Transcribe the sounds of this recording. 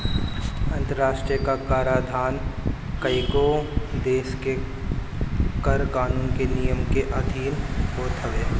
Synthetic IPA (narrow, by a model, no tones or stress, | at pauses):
ɐ̃nt̪əɾaːʃʈɾijəkakaːɾaːd̪ʱaːn | kəikod̪eːske | kəɾkaːnuːnkenijəmkeʔɐd̪ʱiːnɦoːt̪ʰəʋeː